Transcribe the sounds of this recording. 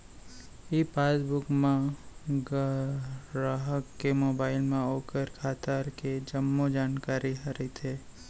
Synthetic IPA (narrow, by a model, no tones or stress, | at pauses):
iːpaːsbʊkmãɡ | ɾaːɦəkːemoːbaːɪlmẽoːkəɾkʰaːt̪əɾked͡ʒɐmːod͡ʒaːnkaːɾiɦɐɾit̪ʰeː